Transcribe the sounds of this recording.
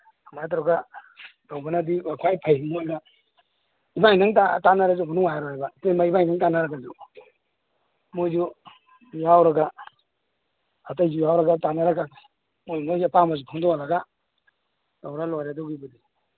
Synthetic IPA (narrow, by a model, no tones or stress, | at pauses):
amajt̬ɾɔɡatawbanadiakʰwajpʰajmojna | ibajnaŋtatanaɾazumanuŋajɾɔabatejmaibajnaŋtanaɾaɡad͡ʒu | mojd͡ʒu | jawɾaɡa | atajd͡ʒujawɾaɡatanaɾaɡa | mojmojzupamazupʰaŋdɔalaɡa | tawɾalojɾadɔɡibadi